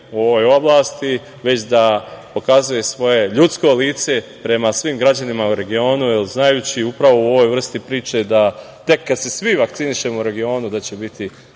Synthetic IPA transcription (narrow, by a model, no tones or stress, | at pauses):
o̞ʋo̞jo̞blˠaːst̪i | ʋe̞t͡ɕd̪apo̞kazuje̞sʋo̞je̞ʎut̪sko̞liːt̪se̞pɾe̞masʋimɡɾad͡ʑanimauɾe̞ɡio̞ːnuelznajuːt͡ɕiupɾaʋo̞uo̞ʋo̞jvr̩st̪ipɾiːt͡ʃe̞d̪a | t̪e̞kːad̪se̞sʋiʋakt̪siniʃe̞mouɾe̞ɡio̞ːnud̪at͡ɕe̞bit̪ʰi